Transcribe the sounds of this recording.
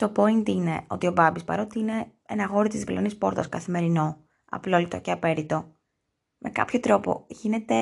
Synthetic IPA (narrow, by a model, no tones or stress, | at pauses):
t̪o̞po̞int̪ine̞o̞̰t̪io̞bɐbispɐ̰ɾo̞t̪iine̞enɐɣo̞ɾit̪izðivlonispo̞ɾt̪ɐskɐθime̞ɾino̞ | ɐ̰plo̞lit̪o̞̰ceɐpe̞ɾit̪o̞ | mʔe̞kɐ̰pço̞t̪ɾo̞po̞̰ʝine̞t̪e̞